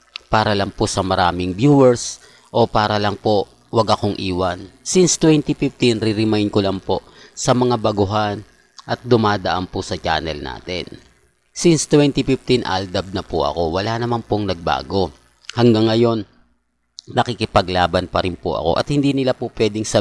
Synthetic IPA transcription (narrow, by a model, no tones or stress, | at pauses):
paːɾɐlɐŋposɐmɐɾaːmɪŋbjuːwɛɹs | ʔo̞paːɾɐlɐŋpo̞ | wɐɡʔɐko̞ŋʔiːwɐnsinst̪wɛnt̪ifɪft̪inɾɪɾɪmajnd̪̚kolɐŋpo̞ | sɐmɐŋabɐɡʊɦan | ʔɐt̪̚d̪ʊmaːd̪ɐʔampʊsɐt͡ʃa̰ːnɛlna̰ːt̪ɛ̰n | sinst̪wɛnt̪ifɪft̪inʔa̰ld̪ɐb̚nɐpʊʔɐ̰ko̞wɐlanɐmanpoŋnɐɡ̚ba̰ːɡo̞ | hɐŋɡaŋːɐjo̞nː | ɐkɪkɪpɐɡlaːbɐnpɐɾɪnpʊ̰ʔɐ̰ko̞̰ʔɐ̰t̪hɪnd̪iːnɪlapʊpwɛːd̪ɪŋsɐ